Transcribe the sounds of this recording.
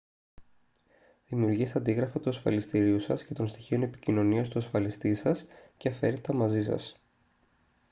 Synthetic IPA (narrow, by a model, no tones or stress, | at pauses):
ðimiuɾʝist̪ɐnd̪iɣɾɐfɐt̪uɐsfɐ̰list̪iɾiusɐsce̞t̪o̞nst̪içio̞ne̞pi̥cino̞niɐst̪uɐsfɐlist̪isɐsceɐfe̞ɾet̪ɐmɐzisɐ̰s